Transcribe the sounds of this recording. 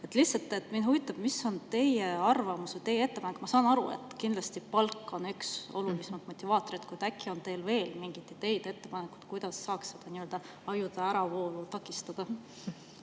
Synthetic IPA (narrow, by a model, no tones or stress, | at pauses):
et̪ːˑliht̪sɑlt̪ːˑe̞t̪minhɦuvit̪ˑːɑb̥̚misːo̞nt̪e̞jeɑrvɑmuset̪e̞jee̞t̪ːe̞pɑnekːˑmɑsɑːnɑɾṵḛt̪ːˑkind̪lɑst̪ipɑlkːˑo̞nykso̞̰lulismet̪mo̞t̪ʲːˑivɑːt̪ːˑo̞ɾit̪kujd̪ækːˑio̞nt̪e̞ːlve̞ːlmiŋɡ̥it̪ːˑit̪e̞jd̪̥e̞t̪ːe̞pɑnekːˑu̥t̪kujd̪̥ɑsːɑːksːed̪̥ɑniøld̪ɑ | ɑjud̪̥ɑæɾɑvo̞ːlut̪ɑkːˑist̪ɑd̪̥ɑ